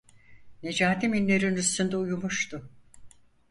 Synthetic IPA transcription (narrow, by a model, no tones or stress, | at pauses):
ne̞d͡ʒaːt̪ʰiminlʲeɾinyst̪ʰynd̪ɛujumuʃt̪ʊ